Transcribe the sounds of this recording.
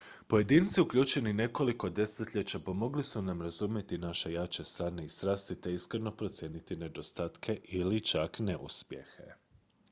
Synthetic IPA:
po̞je̞d̪iːnt̪siukʎʲuːt͡ʃe̞nine̞ko̞liko̞d̪e̞set̪ʎʲet͡ɕapo̞mo̞ɡlisunamɾazumje̞t̪inaʃe̞jat͡ɕe̞st̪ɾaːne̞ist̪ɾaːst̪it̪e̞iskɾeno̞pɾo̞t̪sʲje̞ːnit̪ine̞d̪o̞st̪aːt̪kʰe̞ʔilit͡ʃakne̞ʔṵspje̞̰xe̞̰

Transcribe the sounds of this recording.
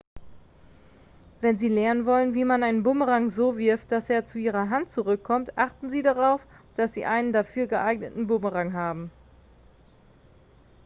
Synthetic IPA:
vɛnziːlɛɐnənvɔlənviːmanaɪnənbʊməʁaŋzoːvɪɐft̚d̥aseːɐt͡suʔiːʁɐɦantt͡suʁʏkʰːɔmtʔaχtn̩ziːdaʁaʊf | d̥asz̥ḭːʔaɪnəndafyːɐɡəʔaɪknətn̩bʊməʁaŋɦaːbm̩

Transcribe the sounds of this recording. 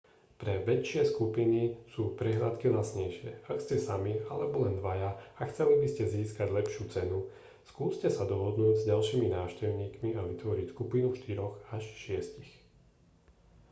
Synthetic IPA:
pɾɛʋɛt͡ʃɪɛskupinisuːpɾɛɦlat̪kilasɲɛjʃɪɛ̰akscɛsamialɛbɔlɛnd̪ʋajaaxt͡sɛlibiscɛziːskaɟlɛpʃuːt͡sɛnu | skuːscɛsad̪ɔɦɔd̪nuːɟzɟalʃiːminaːʊʃcɛʊɲiːkmiaʋit̪ʋɔɾicskupinuʃt̪iɾɔɣaʃʃɪɛscix

